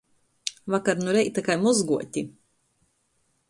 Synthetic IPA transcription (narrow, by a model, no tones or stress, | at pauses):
vakaɾnuɾɛjt̪akajmuzɡuɔtʲi